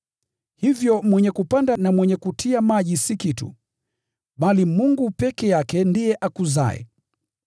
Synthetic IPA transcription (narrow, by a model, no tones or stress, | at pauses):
hivjɔmwɛɲɛkupandanamwɛɲɛkutʰiamaʄisikitṵ | ɓalimuŋɡupɛkɛjakɛndijɛʔakuza̰ɛ̰